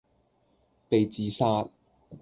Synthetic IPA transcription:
pe˨jt͡siː˨saː˧˥t̚

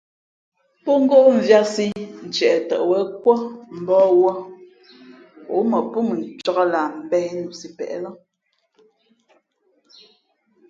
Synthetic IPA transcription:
pɔ˦ŋ̩˦ɡo˦ʔɱ̩˨vja˦si˦n̩˨t͡ʃɛ˨tə̰˨ʔwə˦kwɔ˦m̩˨bɔ˦wɔ˦ | o̰˨˦mə˨pu˦mə˨n̩˨t͡ʃɔ˦ɣa˦la˨m̩˨bɛ˦hnu˨ʔsi˨pɛ̰˨ʔɛ̰˦lɔ˦

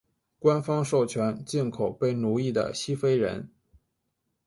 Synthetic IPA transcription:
kwa˥nfɑ˥ŋʂo˥˩ʊt͡ɕʰɥɛ˧˥nt͡ɕi˥˩nkʰo˨˩ʊpe˥˩ɪnu˧˥i˥˩d̪ə̰˩ɕi˥fe˥ɪɻə̰˧˥n

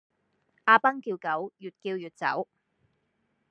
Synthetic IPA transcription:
ʔaː˧pɐ˥ŋkiː˧wkɐ˨˥wjyː˨t̚kiː˧wjyː˨t̚t͡sɐ̰˨˥w

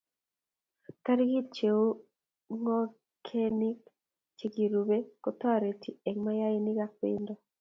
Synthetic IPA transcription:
ka˦ɾɡi˦t͡ʃe˨o˦ | ŋɔ˦ | kʰe˦ni˦k | t͡ʃe˨ɡi˨ɾu˨be˦kɔ˦t̪wa˨ɾe˨tʰi˨e˨ŋma˦ja˦ɪ˦nɪ˦ɡa˦k̚ɪ̰˦ndɔ˦˨

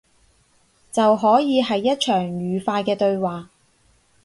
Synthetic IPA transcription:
t͡sɐ˨wɦɔː˨˥jiː˨˧hɐ˨jːɐ˥t̚t͡ʃʰœː˨˩ŋjyː˨˩faː˧jkɛː˧t̪ɵ˧ɥwaː˨

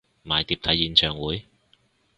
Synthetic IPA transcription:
maː˨˧jt̪iː˧p̚t̪ʰɐ˨˥jːiː˨˧nt͡ʃʰœː˨ŋwuː˨˥j

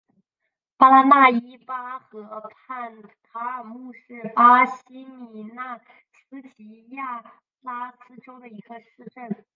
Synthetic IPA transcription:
pa˥na˥˩i˥pa˥xɤ˧˥pʰa˥˩npʰa˥ə˨˩mu˥˧ʂɻ̩˥˩pa˥ɕi˥ni˨˩na˥˩ | sʰɹ̩˥t͡ɕi˧˥ja˥˩ | la˥t͡sɹ̩˥ʈ͡ʂo˥ʊd̪ə˨˩i˧˥ɡ̥ə˧ʂɻ̩˥˧ʈ͡ʂə˥˩n

